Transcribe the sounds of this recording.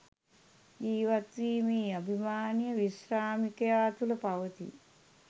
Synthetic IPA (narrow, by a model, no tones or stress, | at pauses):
d͡ʒiːʋat̪ʋiːmiːabʱimaːnijəʋiʃraːmikɐjaːt̪uləpaʋət̪ḭ